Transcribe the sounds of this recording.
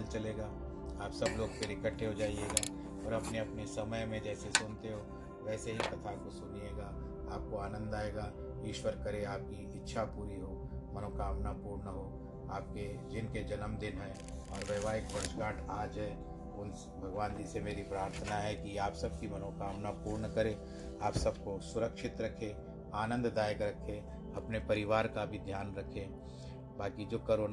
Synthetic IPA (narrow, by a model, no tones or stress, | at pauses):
lt͡ʃɐleːɡaː | aːpsɐbloːɡ̚peɾɪkəʈʰːeɦod͡ʒaːieːɡaː | ɔːɾɐpneɐpnesɐməjmẽd͡ʒɛːsesʊnt̪eɦoː | ʋɛːseɦik̪ɐt̪ʰakosʊnieːɡaː | aːp̚koaːnə̃nd̪aːeːɡaː | ɪʃwəɾkɐɾeaːp̚kiɪtːʃʰapuːɾiɦoːmɐnoːkaːmnapuːɾnəɦo | aːp̚ked͡ʒɪnked͡ʒɐnəmd̪ɪnɦɛ̃ | ɔːɾʋəʋaːɦɪkpə̃t͡ʃkaːʈʰaːd͡ʒɦɛ | ʊn | bʱɐɡʋaːnd̪isemeːɾipɾaːɾt̪ʰənaɦɛkiaːpsɐb̚kimɐnoːkaːmnapuːɾɳəkəɾẽ | aːpsɐbkosʊɾəkʃɪt̪ɾɐkʰe | aːnə̃nd̪d̪aːjəkɾɐkʰe | ɐpnepɐɾɪʋaːɾkabʱid̪ʱjaːnɾɐkʰẽ | baːkid͡ʒoːkəɾoː